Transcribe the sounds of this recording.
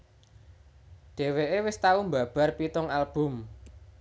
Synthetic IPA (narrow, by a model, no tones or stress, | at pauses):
ɖ̥e̤weʔewɪst̪aumbä̤b̥a̤rpit̪ʊŋalb̥ʊ̤m